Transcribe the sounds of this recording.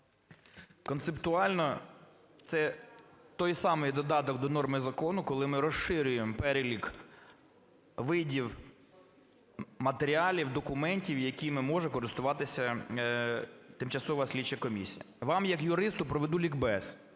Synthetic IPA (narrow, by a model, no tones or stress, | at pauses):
kɔnsept̪ʊɑlʲnɔ | t̪sɛt̪ɔjsɑmɪjd̪ɔd̪ɑt̪ɔɡd̪ɔnɔrmɪzɐkɔnʊkɔlˠɪmɪɾɔʃɪɾʲʊjempɛɾʲelʲik | ʋɪdʲiw | mɐt̪eɾʲiɑlʲiwd̪ɔkʊmɛnʲtʲiwjɐkʲimɪmɔʒɛkɔɾɪst̪ʊʋɑt̪ɪsʲɐ | t̪ɪmt͡ʃɐsɔʋɐsʲlʲit͡ʃːɐkɔmʲisʲijɐʋɑmjɐkjʊɾɪst̪ʊpɾɔʋed̪ulʲiɡbɛs